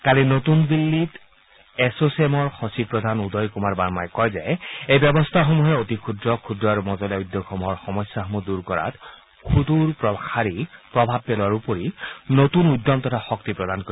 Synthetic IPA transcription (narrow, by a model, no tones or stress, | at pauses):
kalinotunbilːit | esosɛmɔɹxɔsipɹɔd̪ʱanudɔjkumaɹbaɹmajkɔjza̰jejbɛbɔstʰaxɔmuɦɛotikʰudɹɔkʰudɹɔaɹumɔzɔlaujdːɔkʰɔmuɦɔɹxɔmɔsaɦɔmuduɹkɔɹa̰t | kʰutuɹpɹɔxaɹipɹɔbʱab̚pɛlwaɹupoɹinotunujdːɔmtɔtʰaxɔk̚tipɹɔdankoi